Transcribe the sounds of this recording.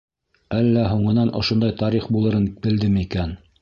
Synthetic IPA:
ælːæɦuɴɤ̆nɑnʔŏʃŏnd̪ɑjt̪ɑɾiχbulˠɤ̆ɾɤnkɘ̆ld̪ɘmikæn

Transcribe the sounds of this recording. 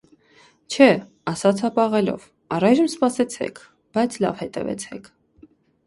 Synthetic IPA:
t͡ʃʰɛ | ɑsɑt͡sʰɑpɑʁɛlɔ̰v | ɑrɑjʒəmspɑsɛt͡sʰɛ̰kʰ | b̥ɑjt͡sʰlɑ̰vhɛt̪ɛ̰vɛ̰t͡sʰɛ̰kʰ

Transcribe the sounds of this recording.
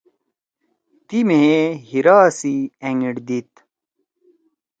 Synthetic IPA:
t̪imeehiɾaːsieŋiɽd̪it̪

